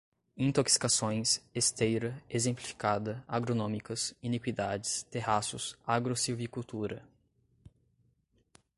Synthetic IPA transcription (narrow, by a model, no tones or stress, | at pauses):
ĩnt̪oksi̥kasõj̃sest̪ejɾɐezẽmplifi̥kad̪ɐaɡɾonõmikɐsinikwid̪ad͡ʒɪst̪eɦasʊsaɡɾosiwvikuwt̪uɾɐ